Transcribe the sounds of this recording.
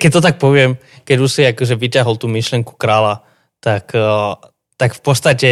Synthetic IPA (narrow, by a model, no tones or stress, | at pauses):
kɛc̚t̪ɔt̪ak̚pɔʋɪɛm | kɛɟusiakɔʒɛʋicaɦɔlt̪uːmiʃlɪɛŋku̥kɾaːla | t̪ak | t̪akfpɔt̪st̪acɛ